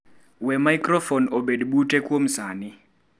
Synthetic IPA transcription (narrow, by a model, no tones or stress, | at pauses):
wɛmajkʼrɔfɔnoɓediɓutʼɛkʼwom̩zaːni